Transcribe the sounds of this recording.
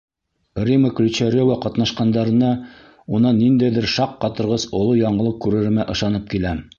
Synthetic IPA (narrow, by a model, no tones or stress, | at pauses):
rʲiməklʲɵt͡ɕæɾʲovaqɑt̪nɑʃqɑnd̪ɑɾɤ̆nɑ | unɑnːind̪æjðɘɾʃɑqːɑt̪ɤ̆ɾʁɤzŏlˠojɑɴɤ̆lˠɤp̚kʉɾɘ̆ɾmæʔɤ̆ʃɑnɤp̚kilæ